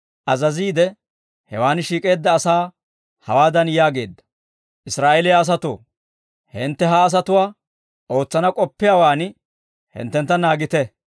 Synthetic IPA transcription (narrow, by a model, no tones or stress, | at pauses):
ʔɐzɐziːd̪ɛ | hɛ̰waːnʃiːkʼe̞ːd̪ːɐːsaː | hɐwaːd̪ɐnjaːɡe̞̰ːd̪ːɐ̥ | ʔɪsɾaːʔelɪjaːs̬ɐt̪o̰ː | hɪnt̪ːɛɦɐːs̬ɐt̪ʊwaː | ʔo̞ːt͡sːɐnɐkʼɔpːɪjawaːnɪ | hɪ̰nt̪ːɛnt̪ːɐnaːɡɪt̪ɛ